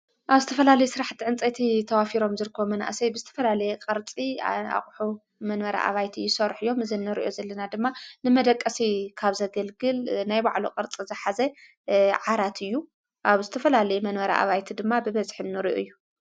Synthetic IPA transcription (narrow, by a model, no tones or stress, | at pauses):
ʔaβzɨt̪ʰɐfɐlalɐjusɨɾaħt̪ʰːiʕɨnt͡sʼɐt̪ʰit̪ʰɐwafiɾo̞mzɨɾɨkʰːɐβomɐna̰ʔsɐjbɨzɨt̪ʰɐ̥fɐlalɐjɛqʼɐɾt͡sʼia̰χʼħu | mɐnmɐɾa̰ʔa̰βajt̪ʰijːɪsɐɾħɨjːo̞mɨzɨnːɨɾḭʔo̰zɐlːɐnad̪ɨmːanɨmɐd̪ɐkʼːɐsikʰaβzɐɡɐlɡɨlnajbaʕloqʼɐɾt͡sʼizɨħazɐ | ʕaɾat̪ʰɨjːu | ʔaβzɨt̪ʰɐfɐlalɐjɛmɐnmɐɾa̰ʔa̰βajt̪ʰid̪ɨmːabɨβɐzħɨnnːɨɾiʔojːu